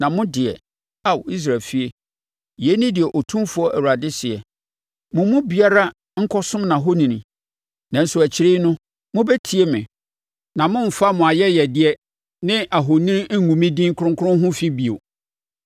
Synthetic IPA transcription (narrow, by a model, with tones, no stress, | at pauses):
nã˨mʊ̃˦dɪ˨ɛ̰˨ | a˦˨wi˦s̬ɾa˨lfi˦e˦ | je˦nĩ˦dɪ˨ɛ˨ʔɔ˨tʰũ˦mfʊ˦ɔ˦ʔæ˨wu˨ɾa˨dɪ˦sɪ˨ɛ˨ | mʊ̃˨mʊ̃˦bi˨a˦ɾa˦ | ŋ̩˦kʰɔ˦sʊ̃˦mnã˨ɦo˦nĩ˨nĩ˨ | nã˨n̩˦sʊ˨æ˨t͡ɕʰɪ˦ɾeː˦nʊ̃˦ | mʊ̃˦bɛ˦tʰi˨e˦mɪ̃˨ | nã˨mʊ̃˦m̩˨fa˦mʊ̃˨a˨jɛ˦jɛ˨dɪ˦ɛ˦ | nɪ̃˦a˨ɦo˨nĩ˦ŋũ˨mĩ˦dĩ˦ŋ˦kʰʊ˦ɾʊ̃˦ŋ˦kʰʊ˦ɾʊ̃˦ɦʊ̃˦fi˦bi˨o̰˨